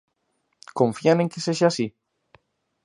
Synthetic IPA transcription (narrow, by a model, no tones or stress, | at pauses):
kõɱfianeŋkeseʃasi